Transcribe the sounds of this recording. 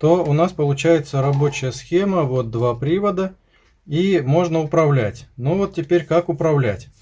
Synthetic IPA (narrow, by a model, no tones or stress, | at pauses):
t̪o̞ʊnaspəlˠʊt͡ɕæjɪt̪səɾɐbo̞t͡ɕɪjəsxʲeməvo̞t̪̚d̪vapɾʲivəd̪ə | imo̞ʐnəʊpɾɐvlʲætʲnuvo̞t̪̚tʲːɪpʲeɾʲkakʊpɾɐvlʲætʲ